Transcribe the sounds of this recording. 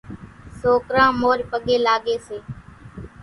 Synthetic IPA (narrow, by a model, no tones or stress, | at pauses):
soːkɾãːmoːɾpəɠeːlaːɠeːseː